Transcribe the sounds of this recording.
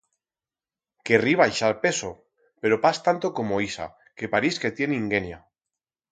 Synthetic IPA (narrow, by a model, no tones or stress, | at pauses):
keriβajʃalpe̞so | pe̞ɾopast̪ant̪oko̞moisa̰ | ke̞paɾiske̞t̪je̞niŋɡenja